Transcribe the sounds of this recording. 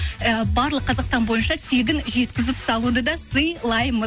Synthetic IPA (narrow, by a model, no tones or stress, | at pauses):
əbɑɾlˠəqʰːɑzɑqst̪ɑnbo̞jənʃɑt̪ʰe̞ɡʲɪnʒe̞t̪kʲɪzɪpsɑlˠud̪əd̪ɑsəjlˠɑjmə